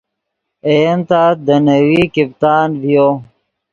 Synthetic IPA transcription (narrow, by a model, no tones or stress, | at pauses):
ejənt̪aːd̪ənəwiːkipt̪aːnvijoː